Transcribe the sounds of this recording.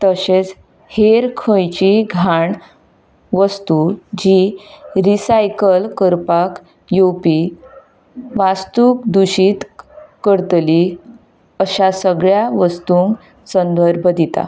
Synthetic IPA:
t̪əɕet͡s | heɾkʰə̃jt͡ɕiɡʱaɳ | ʋəst̪ud͡ʑiɾisajkəlkəɾpak | jopi | ʋast̪uːk̚d̪uɕiːt̪kəɾt̪li | əɕasəɡɭjaʋəst̪uŋk | sənd̪əɾbʱəd̪ʱit̪a̰

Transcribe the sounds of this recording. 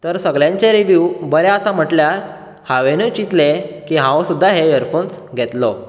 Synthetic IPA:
t̪əɾsəɡljãɲt͡ɕeɾiʋjubəɾɛəsam̤əʈljaɾ | haʋenet͡ɕit̪lekiɦãwsud̪ʱːaɦeəɾfonsɡʱɛt̪lɔ

